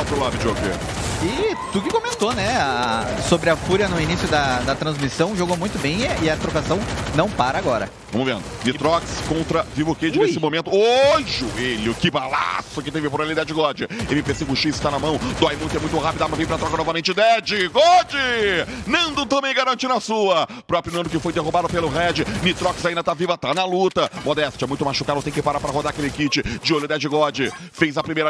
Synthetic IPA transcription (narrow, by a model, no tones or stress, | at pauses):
pɾʊlad̪ʊd͡ʒokḛ | ɪt̪ukɪkomẽnt̪onɛasobɾɪɐfuɾɐnʊinisjʊd̪ɐd̪ɐt̪ɾɐ̃zmisɐ̃w̃ʒoɡomũj̃t̪ʊbẽj̃ɪɐt̪ɾokasɐ̃w̃nɐ̃w̃paɾɐaɡɔɾɐ̰ | vɐ̃mʊvẽnd̪ʊnɪt̪ɾɔkskõnt̪ɾɐvivoked͡ʒɪnessɪmõmẽnt̪ʊoʒʊelɪʊkɪbala̰sʊkɪt̪ẽvɪpoɾalid̪ɛd͡ʒɪɡɔd͡ʒɪewmɪpeɾsejɡʊʃisɪ̥t̪anɐmɐ̃w̃d̪ɔjmũt̪ɛmũj̃t̪ʊɦapid̪amɐzvẽpɾɐt̪ɾɔkɐnɔvɐmẽnt͡ʃɪd̪ɛd͡ʒɪɡɔd͡ʒɪnɐ̃w̃d̪ʊt̪õmej̃ɡaɾɐ̃t͡ʃinɐsuɐ | pɾɔpɾjʊnɐ̃d̪ʊkɪfojd̪eɦubad̪ʊpelʊɦɛd͡ʒɪnit̪ɾɔksaĩnd̪ɐt̪avivɐt̪anɐlut̪ɐmod̪ɛstɐ̥t͡ʃɛmũj̃t̪ʊmaʃukad̪ɐ̃t̪ẽj̃kɪpaɾapɾɐɦod̪aɐkelɪkit͡ʃɪd͡ʒɪolʊd̪ɛd͡ʒɪɡɔd͡ʒɪ | fejzɐpɾimejɾɐ